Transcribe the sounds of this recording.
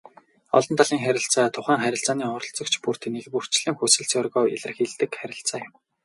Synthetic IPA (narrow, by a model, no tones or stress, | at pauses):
ɔ̰ɮɞ̆nt̪ʰaɮiːŋχæɾʲɪ̆ɬt͡saːt̪ʰʊχæːŋχæɾʲɪ̆ɬt͡saːniːɔɾɞ̆ɬt͡sɞ̆kt͡ɕʰpur̥t̪ʰnekpur̥t͡ɕɮiːŋxusɘ̆ɬt͡sɔrɣɔːʔḭɮɘ̆rxeɮt̪ɘ̆kχæɾʲɪ̆ɬt͡saːjʊ̆m